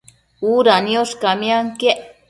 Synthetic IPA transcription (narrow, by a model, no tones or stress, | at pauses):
uɾanjoʃkamjaŋkeʔ